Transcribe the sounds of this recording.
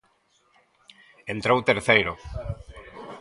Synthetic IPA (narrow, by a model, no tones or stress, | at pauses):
ent̪ɾowt̪eɾθejɾo